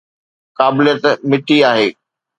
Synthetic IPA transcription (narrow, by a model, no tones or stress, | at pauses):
kaːbɪlijət̪mɪʈʰiaːɦeː